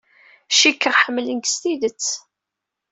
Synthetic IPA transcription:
ʃikːəʁħəmːlənɡst̪iðət͡sː

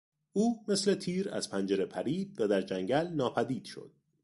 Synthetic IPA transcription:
ʔuːme̞slet̪ʰiːɾæ̰z̥pʰænd͡ʒeɾe̞pʰæɾiːd̪̚væd̪æɾd͡ʒæŋɟælnɒːpʰæd̪iːd̪̥ʃo̰d̪̥

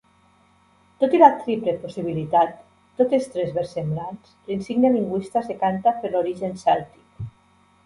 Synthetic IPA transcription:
t̪ot̪ilat̪ɾipleposiβ̞ilit̪at̪ː | ot̪est̪ɾezβeɾsemblanslinsiɡneβiŋɡwist̪asekant̪apeloɾiʒensalt̪i̥k

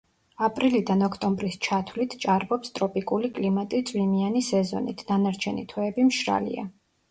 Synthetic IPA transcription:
apʼɾilid̪anɔkʰt̪ʼɔmbɾist͡ʃʰat̪ʰwlit̪ʰt͡ʃʼaɾbɔpst̪ʼɾɔpʼikʼulikʼlimat̪ʼit̪sʼwimianisɛzɔ̰nḭt̪ʰd̪anaɾt͡ʃʰɛnḭt̪ʰwɛːbimʃɾa̰lḭa̰

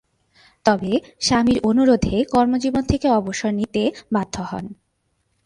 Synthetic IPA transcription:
t̪ɔbeʃamiɾonuɾod̪ʱekɔɾmod͡ʑibont̪ʰekeɔboʃoɾnit̪ebad̪ʱːohɔ̰n

